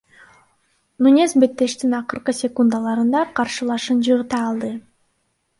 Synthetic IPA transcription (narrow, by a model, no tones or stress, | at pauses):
nunʲesbe̞t̪ːe̞ʃt̪inɑqɯɾqɯsʲekund̪ɑlˠɑɾɯnd̪ɑqʰɑɾʃɯlˠɑʃɯnd͡ʒɯʁɯt̪ɑːlˠd̪ɯ